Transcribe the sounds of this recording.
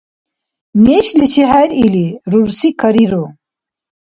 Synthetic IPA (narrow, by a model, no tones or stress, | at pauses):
neɕlit͡ɕʰiɦæliliɾuɾsikʰɐɾiɾo